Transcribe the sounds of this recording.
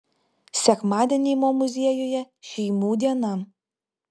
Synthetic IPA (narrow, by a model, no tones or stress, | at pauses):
sʲækmɑd̪ʲenʲimomuzʲejojɛ | ʃʲijmud̪ʲenɑm